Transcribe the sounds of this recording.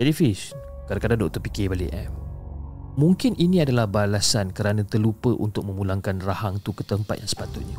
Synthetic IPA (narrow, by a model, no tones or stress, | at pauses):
d͡ʒadifis | kadakadadɔk̚t̪ɔrpikebaliʔɛm | mũŋkɪnʔinĩadalahbalasankəɾanãt̪ərlupəʔṵnt̪ʊk̚mə̃mũlaŋkanrahaŋt̪ukə̥t̪əmpat̪jaŋsə̥pat̪ʊt̪̚ɲã